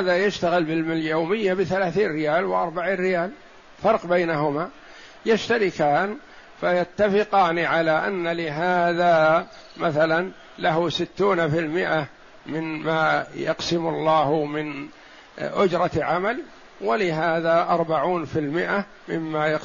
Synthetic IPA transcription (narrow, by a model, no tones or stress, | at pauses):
haːðajaʃt̪aɣɪlbɪlmɪljowmɪjːabɪθalaːθiːnrɾɪjaːlwɪʔɑɾˤbaʕirːɪjaːl | fɑɾˤqbajnaɦʊma | jaʃt̪aɾɪkaːn | fajat̪ːafɪqɑːniʕalaʔa̰nːalɪɦaːða | maθalan | laɦʊsɪt̪ːuːnafɪlmɪʔa | mɪnmaːjɑ̰qsɪmʊlˤːɑːhmɪn | ʔʊd͡ʒɾˤɑʕamal | wɪlɪɦaːðaʔɑɾˤbaʕuːnfɪlmɪʔa | mɪ̰mːajɑ